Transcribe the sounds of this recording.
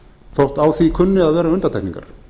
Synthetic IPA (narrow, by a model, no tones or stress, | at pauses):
θɔwht̪aːwθikʰʏnːɪaðvɛːɾaʏnt̪at̪ʰɛjknĩŋka̰ɾ̥